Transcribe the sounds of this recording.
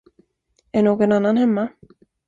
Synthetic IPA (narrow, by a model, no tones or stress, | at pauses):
ɛnɔːkɛnanːanhɛmːa